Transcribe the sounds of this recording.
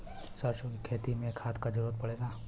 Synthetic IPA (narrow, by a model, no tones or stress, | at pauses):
səɾʃoɡkʰeːt̪imẽkʰaːt̪kad͡ʒɪɾoːd̪̚pəɽelaː